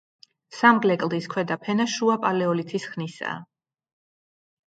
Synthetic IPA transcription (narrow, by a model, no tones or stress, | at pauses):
samɡlɛkʼlˠd̪iskʰwɛd̪apʰɛnaʃuapʼalɛɔlit̪ʰisχnisa̰ː